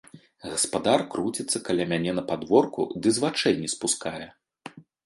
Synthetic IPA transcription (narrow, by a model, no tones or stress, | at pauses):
ɣɐspad̪arkɾut͡sʲɛt̪sːɐkalʲamʲanʲɛnɐpad̪vɔrkṵd̪ɨzvat͡ʂɛjnʲɛspuskajɛ